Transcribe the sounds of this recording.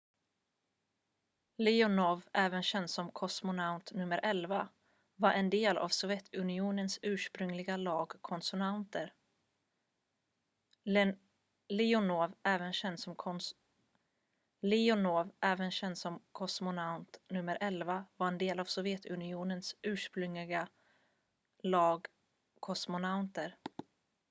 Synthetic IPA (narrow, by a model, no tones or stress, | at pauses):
lɪʊnɔvʔɛːvənɕɛnd̪sɔmkʰɔsmʊnaʊt̪nɵmːəɾʔɛlva | vaɾʔɛnd̪eːlʔa̰vsɔvjɛt̪ʰɵnɪuːnənsʉ̟ːʂpɾɵŋlɪɡalɑːɡkʰɔnsʊnant̪əɾ | lɪʊnoːvɛːvənɕɛnd̪sɔmkʰɔ | lɪʊnoːvʔɛːvənɕɛnd̪sɔmkʰɔsmʊnaʊnt̪nɵmːəɾʔɛlvavaɾɛnd̪eːlav̥sɔvjɛt̪ʰɵnɪuːnənsʔʉ̟ːʂpɾɵŋlɪɡa | lɑːɡ | kʰɔsmʊnaʊnt̪əɾ